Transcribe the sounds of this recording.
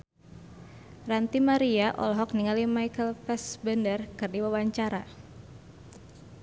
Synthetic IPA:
rant̪imaɾiaʔɔ̰lɦɔk̚niŋalimajkəlfɛsbəndərkɨrdiwawaɲt͡ʃaɾa

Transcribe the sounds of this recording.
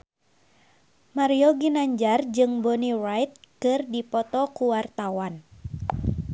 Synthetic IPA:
maɾioɡinaɲd͡ʒard͡ʒɨŋbɔnirajt̪̚kɨrdipɔt̪ɔkuwart̪awan

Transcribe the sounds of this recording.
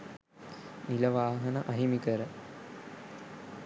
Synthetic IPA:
miləʋaːɦənɐʔɐɦimikəɾə

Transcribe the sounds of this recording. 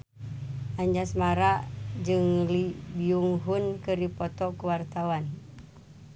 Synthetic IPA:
ʔaɲd͡ʒasmaɾaʔd͡ʒɨŋlibiuŋɦunkɨɾipɔt̪ɔkuwart̪awan

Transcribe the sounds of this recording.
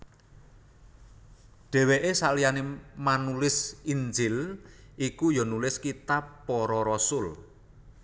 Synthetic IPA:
ɖ̥ɛ̤weʔesaʔlijanemanulɪsind͡ʒɪlʔikujɔnulɪskit̪apːɔɾɔɾɔsʊl

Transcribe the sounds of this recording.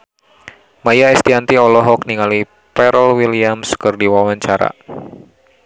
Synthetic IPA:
majaɛst̪iant̪iɔlɔɦɔk̚niŋali | pɛɾəlwiliamskɨrdiwawaɲt͡ʃaɾa̰

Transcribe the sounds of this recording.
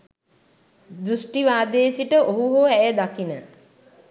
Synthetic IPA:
d̪ɾusʈiʋaːd̪eːsiʈəʔoɦuɦoæjəd̪akinə

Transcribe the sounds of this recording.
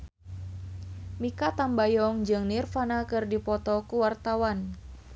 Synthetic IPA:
mikat̪ambajɔŋd͡ʒɨŋnirfanakɨrdipɔt̪ɔkuwart̪awan

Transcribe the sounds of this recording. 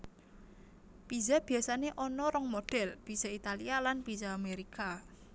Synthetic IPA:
pizab̥i̤jasaneʔɔnɔɾɔŋmod̥ɛ̤lb̥iz̥ait̪alialanb̥izaːmeɾika

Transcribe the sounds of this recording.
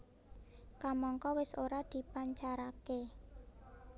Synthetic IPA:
kamɔŋkɔwɪsoɾad̪̥i̤paɲt͡ʃaɾake

